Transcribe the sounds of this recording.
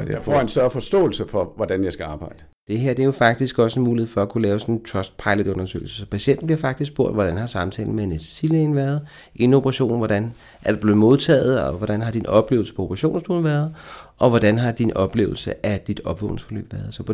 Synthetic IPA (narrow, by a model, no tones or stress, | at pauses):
fɒensd̥ɶɐfɒ̽sd̥ɔ̰ːl̩səfɒ̽ʋɒd̥ænjɑ̈ɪsɡ̥æɑ̈ːb̥ɑ̈ɪ̰d̥ə | d̥e̝ɦeɐ̰d̥eæɐjo̝fɑ̈ɡ̥̚d̥isɡ̥ɒ̽senmuːlie̝fɒ̽ækʰulɛːʊsɒ̽nnt͡sʰɒsd̥̚pʰɑ̈ɪlod̥ɔ̽nɐsø̰ɪl̩səsɒ̽pʰæɕen̰d̥n̩b̥iɐfɑ̈ɡ̥̚d̥is̬ɡ̥̚b̥o̝ɐ̰d̥ʋɒɾ̥ænhɑ̈sɑ̈mn̩t͡sʰɛ̰ːln̩menessilenʋæːɐð̞ˠ | ʔe̝nopʰʁɑɕo̝̰ːnʋɒdæn | ʔæɐd̥eb̥le̝ð̩ˠmo̝ð̞ˠt͡sʰɛ̰ːð̞̩ˠɒʋɒd̥ænɦɑ̈d̥inɒ̽b̥le̝̰ːʊl̩sə̥pʰɒ̽opʰʁɑɕo̝̰ːnsd̥o̰ːn̩ʋæːɐð̞̩ˠʔɒ̽ʋɒd̥ænɦɑ̈d̥inʔɒ̽b̥le̝̰ːʊl̩səʔæd̥id̥ɒ̽b̥ʋɔ̰ʊne̝ŋsfɒ̽lø̰ːb̥ʋæːɐðˠsɒ̽pʰ